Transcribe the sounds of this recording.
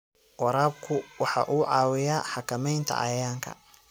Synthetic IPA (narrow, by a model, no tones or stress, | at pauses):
wɑɾaːb̚kʰʊwɑħɑ̰ʔuːʕɑːwɪjaːħɑkʰɐmɛjnt̪ʰɐ̰ʔɐ̰jaːŋkʰɐ̰